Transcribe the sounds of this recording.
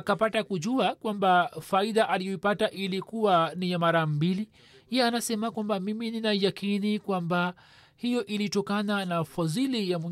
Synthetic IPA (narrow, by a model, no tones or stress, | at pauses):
akapatakuʄuakwambafaiðaʔalijɔipataʔilikuwanijamaɾam̩bili | ɛanasɛmakwambamimininaijakinikwamba | hijɔʔilitɔkananafazilijamwɛ